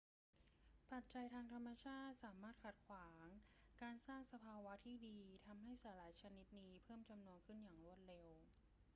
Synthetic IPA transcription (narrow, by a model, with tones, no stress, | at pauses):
pʰa˨˩t̪̚t͡ɕa˧jt̪ʰaː˧ŋt̪ʰa˧mːa˧t͡ɕʰaː˥˩t̪̚saː˩˦maː˥˩t̪̚kʰa˨˩t̪̚kʰwaː˩˦ŋkaː˧nsaː˥˩ŋsa˧pʰaː˧wa˦˥t̪ʰiː˥˩diː˧t̪ʰa˧mɦa˥˩jsaː˩˦laː˩˦jt͡ɕʰa˧ni˦˥t̪̚niː˦˥pʰɤː˥˩mt͡ɕa˧mnu˧ənkʰɯ˥˩njaː˨˩ŋɾu˥˩ət̪̚ɾe˧w